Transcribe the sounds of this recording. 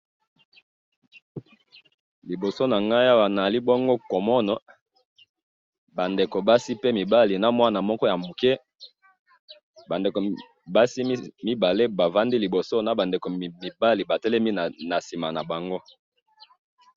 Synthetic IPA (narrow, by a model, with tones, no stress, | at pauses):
li˨bo˨so˦na˨ŋɡa˦ja˦wa˨na˨li˦bo˦ŋɡo˦kɔ˨mɔ˦nɔ˨ | ba˨nde˨ko˨ba˦si˦pe˦mi˨ba˦li˨na˨mwa˦na˨mɔ˦kɔ˦ja˨mo˨kɛ˦ | ba˨nde˨ko˨ | ba˦si˦mi˦ba˨le˦ba˨va˦ndi˦li˨bo˨so˦na˨ba˨nde˨ko˨mi˨ba˦li˨ba˨tɛ˦lɛ˦mi˦na˨na˨si˨ma˨na˨ba˨ŋɡo˦